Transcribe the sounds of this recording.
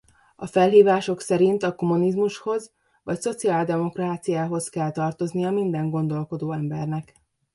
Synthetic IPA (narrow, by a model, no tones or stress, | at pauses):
ɒfɛlɦiːvaːʃo̞ksɛɾint̪ɒko̞munizmuʃho̞z | vɒcso̞t̪siaːld̪ɛmo̞kraːt̪sijaːɦo̞skɛlt̪ɒrt̪o̞znijɒmind̪ɛŋɡo̞nd̪o̞lko̞d̪oːɛmbɛ̰rnɛk